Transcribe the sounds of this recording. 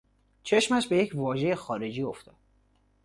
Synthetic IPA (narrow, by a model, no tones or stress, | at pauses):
t͡ʃʰe̞ʃmæʃbe̞je̞cʰvɒːʒe̞jexɒːɾe̞d͡ʒiːo̞ft̪ɒːd̪̥